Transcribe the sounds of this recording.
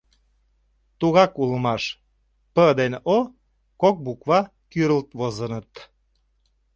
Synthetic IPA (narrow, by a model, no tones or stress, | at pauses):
t̪uɣɑkuləmɑʃ | pəd̪eno | kok̚bukβɑ | kyɾəlt̪βozənət̪